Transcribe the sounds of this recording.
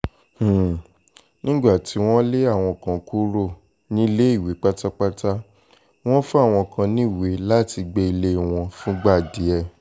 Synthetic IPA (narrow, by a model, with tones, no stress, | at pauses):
h̩˦˨ | nĩ˦ɡ͡ba˦˨ti˨˦w̃ɔ̃˦le˦a˦˨w̃ɔ̃˧kã˨ku˦ɾo˦˨ | nĩ˦le˦i˦˨wi˨˦k͡pa˦ta˦k͡pa˦ta˦ | w̃ɔ̃˦fu˦a˦˨w̃ɔ̃˧kʰã˧nĩ˦˨we˨˦la˦˨ti˧ɡ͡be˧i˧le˦˨w̃ɔ̃˧fũ˦ɡ͡ba˦˨di˨˦ɛ˦˨